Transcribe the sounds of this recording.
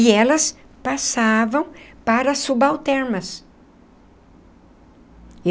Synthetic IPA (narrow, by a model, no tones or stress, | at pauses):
ɪɛlɐs | pasavɐ̃w̃paɾɐsubawt̪ɛɾmɐs